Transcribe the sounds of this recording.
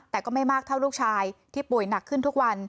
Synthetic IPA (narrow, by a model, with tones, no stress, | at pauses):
t̪ɛː˨˩kɔː˥˩ma˥˩jmaː˥˩k̚t̪ʰa˥˩wluː˥˩k̚t͡ɕʰaː˧jt̪ʰiː˥˩pu˨˩əjna˨˩kʰːɯ˥˩nt̪ʰu˦˥k̚wa˧n